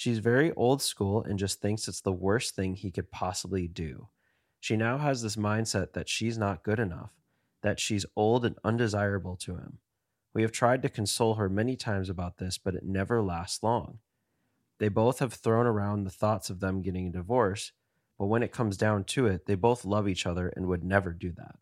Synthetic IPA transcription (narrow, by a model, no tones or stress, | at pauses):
ʃizvɛɹiʔoʊlˠd̥skulˠɨ̰̃nd͡ʒʌst̪̚θɪ̃ŋksɨtsðəwɜ˞sθɪ̃ŋikɨd̚pʰɑsəblidʉ̰ | ʃinaʊəzðɪs̬mãɪ̃nd̥sɛt̪̚ðɨtʃiznət̚ɡ̥ʊɾɨnʌ̰f | ðɨtʃizoʊlˠdɨ̃nʌ̰̃ndɨzaɪɹɨbl̩ˠtʰɨɪ̰̃m | wiɨv̥tʰɹ̥aɪd̚tɨkʰn̩soʊlˠə˞mɛnitʰãɪ̃mzɨbaʊt̪̚ðɪsb̥ʌɾɨ̰tⁿnɛvə˞læstslɔ̰̃ŋ | ðeɪboʊθhɨv̥θɹõʊ̃ñə˞ãʊ̃nðəθɔtsʌvðə̃mɡɛɾɪ̃ŋɨdɨvɔɹs | b̥ʌt̚wə̃ñɨt̚kʰʌ̃mzdãʊ̃ntʰɨɪt̪̚ðeɪboʊθlʌvit͡ʃʌðə˞ʔɨ̰̃nwɨdⁿnɛvə˞dɨðæ̰t̚